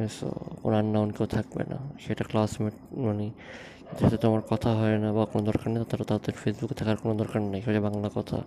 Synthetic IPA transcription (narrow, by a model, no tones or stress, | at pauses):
eso̰ko̰nanːaunkewt̪ʰak̚bḛna̰ʃejʈaklasmeʈmani | kt̪eʃat̪ʰet̪omaɾkɔt̪ʰaɦɔenabakonod̪ɔɾkaɾnejt̪at̪aɾat̪ad̪eɾfʰesbukt̪ʰakaɾkonod̪ɔɾkaɾnajʃd͡ʑabaŋlakɔt̪ʰa̰